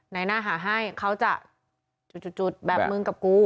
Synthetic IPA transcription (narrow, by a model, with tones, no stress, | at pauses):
na˨˦˥jnaː˧˥˩ɦaː˩˦ɦa˥˩jkʰa˦˥˩wt͡ɕa˨˩ʔ | t͡ɕu˨˩t͡ɕu˨˩t̪̚t͡ɕu˨˩t̪̚bɛː˨˩mɯ˧ŋka˨˩p̚kuː˧